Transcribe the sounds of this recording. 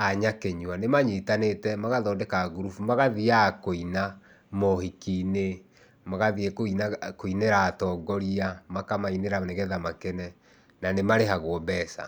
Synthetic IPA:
aɲakeɲuanemaɲitanetɛmaɣaðɔːdɛkaɡuɾufmaɣaðiakoina | mɔhikine | maɣaðiekoinakoineɾaːtɔːɡɔɾiamakamaineɾaneɣɛðamakɛnɛ | nanemaɾeɦaɣwɔbɛsa̰

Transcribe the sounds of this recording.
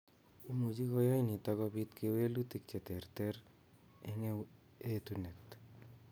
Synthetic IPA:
umud͡ʒikɔjɔjnit̪ɔkɔbit̪kewelut̪ik̚t͡ʃet̪eɾt̪eɾ | eŋe | et̪unet̪

